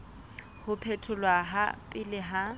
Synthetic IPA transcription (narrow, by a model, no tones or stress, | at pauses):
hʊpʰetʰʊlwaɦa̰pʼɪlɪɦa